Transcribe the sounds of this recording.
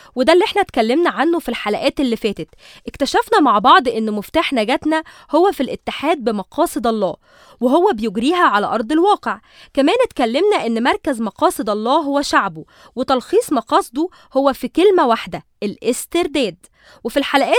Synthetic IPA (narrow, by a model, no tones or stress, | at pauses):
wed̪ælːiʔeħnæt̪kælːemnæʕanːofilħalæʔæːt̪elːifæːt̪et̪ʔekt̪æʃæfnæmaʕbɑʕd̪ˤʔenːmoft̪aːħnæɡæt̪næhowːæfilʔet̪ːeħaːd̪̚bemɑqɑːsˤɨd̪ɑlˤːɑː | weɦowːæbejoɡɾiːɦæʕalæʔɑɾˤd̪ˤelwɑːqeʕ | kæmæːnet̪kælːemnæʔenːmɑɾˤkæzmɑqɑːsˤed̪ˤɑlˤːɑːɦowːæʃaʕbo | wet̪ɑlxiːsˤmɑqɑːsˤd̪u | howːæfikelmæwaħd̪æʔelʔest̪eɾd̪æːd̪ | wefilħalæʔæː